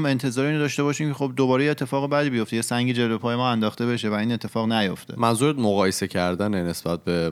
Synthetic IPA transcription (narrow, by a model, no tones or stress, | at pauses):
me̞nt̪ʰe̞zɒːɾeiːnd̪ɒːʃt̪e̞bɒːʃiːmcʰexo̞b̚d̪obɒːɾejeːt̪ʰːe̞fɒːɣebæd̪iːbijo̞ft̪ejesæŋɟiːd͡ʒelvepʰɒːje̞mɒːænd̪ɒːxt̪e̞be̞ʃevæiːnet̪ʰːe̞fɒːɣnæjo̞ft̪ʰemænzuɾed̪moɣɒːjese̞cʰæɾd̪ænene̞sb̥æt̪̚be